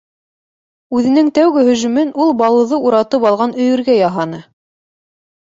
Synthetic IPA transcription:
ʉðɘ̆nɘŋt̪æwɡɘhɵ̆ʒɵ̆mɘnulˠbɑlˠɤ̆ðɤuɾɑt̪ɤpɑlˠʁɑnɵ̆jɵ̆ɾɡæjɑɦɑnɤ

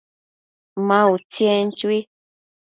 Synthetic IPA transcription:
mãut͡sjẽnt͡ʃui

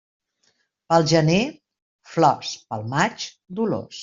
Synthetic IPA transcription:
pəlˠʒəne | flɔspəlˠmat͡ʃ | d̪ulo̰s

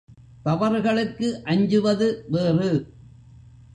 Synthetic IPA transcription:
t̪ɐʋɐɾɣɐɭɯkːɯʔɐɲd͡ʒɯʋɐðɯʋeːrɯ

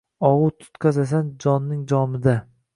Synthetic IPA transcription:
ɒʁʊt̪ʰʊ̥t̪qʰazas̬and͡ʒɒnːɪŋd͡ʒɒmɪd̪a

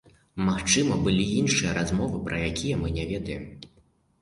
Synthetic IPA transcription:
maxt͡ʂɨmɐbɨlʲiinʂɨjɐɾazmɔvɨpɾɐjakʲʰijɐmɨnʲavʲɛd̪ɐjɛm

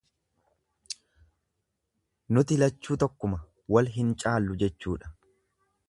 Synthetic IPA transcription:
nʊt̪ɪlɐt͡ʃːuːt̪ɔkːʊmɐ | wɐlɦɪnt͡ʃʼaːlːʊd͡ʒɛt͡ʃːuːᶑɐ̥

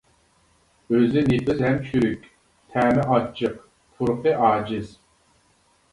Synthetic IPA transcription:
øzɪnipɨzɦɛmt͡ʃʰyɾykʲ | t̪ʰæːmɪʔɑt͡ʃʰːɨq̚ | t̪ʰuɾqɨʔɑːd͡ʒɪz̥

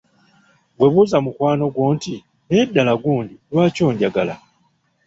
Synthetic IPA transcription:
ɡwe̞βuzamukwaːno̞ɡwo̞ːnti | nedːalaɡuːndilwaːco̞ːɲɟaɡala̰

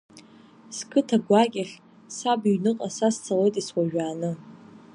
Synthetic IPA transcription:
skʰɨtʰaɡʷakʲʼaχʲ | sabiɥnɨqʼasast͡sʰalejtʼiswaʒᶣaːnɨ

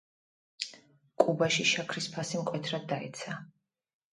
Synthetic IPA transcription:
kʼubaʃiʃakʰɾispʰasimkʼwɛt̪ʰɾad̪ːaɛ̰t̪sʰa

